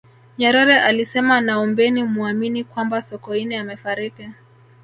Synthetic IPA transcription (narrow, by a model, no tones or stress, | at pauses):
ɲɛɾɛɾɛʔalisɛmanaɔmbɛnimuaminikwambasɔkɔinɛamɛfaɾiki